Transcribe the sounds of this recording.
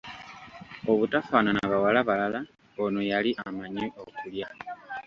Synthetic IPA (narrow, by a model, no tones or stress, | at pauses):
o̞βutafananβawalaβalala | ono̞jaliʔamaɲiʔokulja